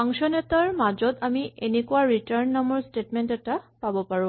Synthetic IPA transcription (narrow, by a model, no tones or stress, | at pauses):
aŋsɔnɛtaɹmad͡ʒɔtamiʔenekuaɹitaɹnːamɔɹstetmentɛtapabɔpaɹʊ̃